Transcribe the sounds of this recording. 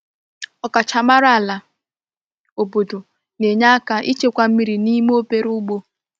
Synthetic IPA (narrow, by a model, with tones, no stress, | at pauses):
ɔ˦ka˨t͡ʃa˨ma˦ɾa˦a˨la˨ | o˨bo˨do˨ | ne˨ɲa˦ka˦ʔi˦t͡ʃe˦kʷa˦m̩˦mi˦ɾi˨ni˦m˦o˦pe˦ɾu˦ɡ͡bo˦